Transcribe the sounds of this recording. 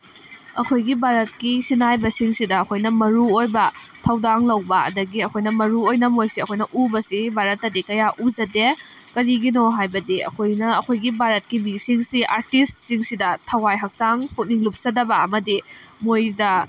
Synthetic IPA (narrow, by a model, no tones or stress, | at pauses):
ɐkʰojɡibʱaɾɐt̚kisinajbɐsiŋsidɐːkʰojnɐmɐɾuojbɐtʰɐwdaŋlɐwbɐɐ̰dɐɡiɐkʰojnɐmɐɾuojnɐmojsiɐkʰojnɐʔubɐsibʱaɾɐtːɐdikɐjaʔud͡ʒɐde | kɐɾiɡinoɦajbɐdiɐ̰kʰojnɐɐkʰojɡibʱaɾɐt̚kimisiŋsiʔaɾtist̚siŋsidɐtʰɐwajɦɐk̚saŋpʰuk̚niŋlup̚sɐdɐbɐɐmɐdi | mojdɐ